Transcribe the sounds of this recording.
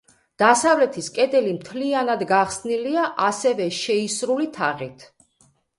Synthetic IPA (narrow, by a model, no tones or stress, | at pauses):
d̪̥asavlɛt̪ʰiskʼɛd̪ɛlimt̪ʰlianad̪ɡaχsniliaʔasɛvɛʃɛisɾulit̪ʰaʁit̪ʰ